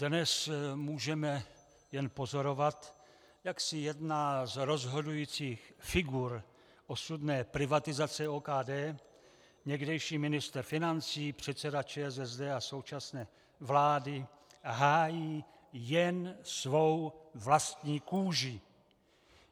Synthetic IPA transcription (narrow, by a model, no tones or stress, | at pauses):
d̥nɛsmuːʒɛmɛ | jɛnpo̞zo̞ɾo̞vat̪ | jaksɪjɛdnaːzɾo̞zɦo̞dujiːt͡siːxfɪɡuɾ | ʔo̞sudnɛːpɾɪvat̪ɪzat͡sɛoːkaːdɛː | ɲɛɡdɛjʃiːmɪnɪst̪ɾfɪnant͡siːpr̝̥ɛt̪t͡sɛdat͡ʃɛːɛzɛzdɛːaso̞wt͡ʃasnɛː | vlaːdɪ | ɦaːjiː | jɛnsvo̞wvlast̪ɲiːkuːʒɪ